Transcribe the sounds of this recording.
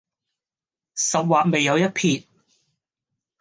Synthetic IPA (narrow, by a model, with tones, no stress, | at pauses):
sɐ˨p̚waː˨t̚me˨jːɐ˨˧wjɐ˥t̚pʰiː˨˧t̚